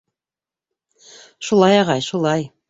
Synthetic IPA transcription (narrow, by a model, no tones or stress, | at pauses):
ʃulˠɑjɑʁɑjʃulˠɑj